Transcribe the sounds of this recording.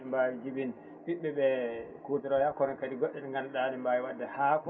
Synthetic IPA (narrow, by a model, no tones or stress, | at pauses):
ɛmbawid͡ʒiɓin | ɓiɓːɛɓɛkuːtaɾɔjakːɔɾɔnkadiɡɔɗːɛnɛŋɡanɗanɛmbaːjiwadːahak